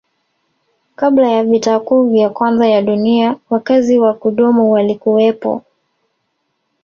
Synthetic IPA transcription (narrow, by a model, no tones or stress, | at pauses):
kaɓlajavitaːkuːvjakwanzajaɗuniawakaziwakuɗumuwalikuwɛpɔ̰